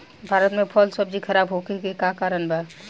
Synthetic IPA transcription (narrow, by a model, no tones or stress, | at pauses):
bʱaːɾət̪mẽpʰɔlsəb̚d͡ʒikʰɐɾaːbɦokekekakaːɾənbʱɛ